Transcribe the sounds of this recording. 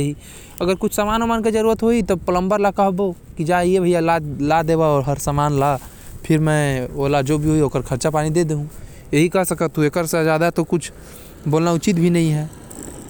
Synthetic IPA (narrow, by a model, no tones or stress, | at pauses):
ɦi | ɐɡəɾkʊt͡ʃʰsamaːnmanked͡ʒəɾuːɾət̪ɦoit̪opələ̃mbəɾlakəɦbokid͡ʒaiebʱəjalalad̪eːbaɔːɾɦəɾsamaːnla | pʰɪɾmɛ̃olad͡ʒobʱiɦoiɦoːkəɾkʰəɾt͡ʃapaːnid̪ed̪eɦũ | jeɦikɐɦsəkət̪ʰɦuekəɾsed͡ʒjaːd̪at̪okʊt͡ʃʰ | boːlnaʊt͡ʃit̪̚bʱinɐɦĩɦɛː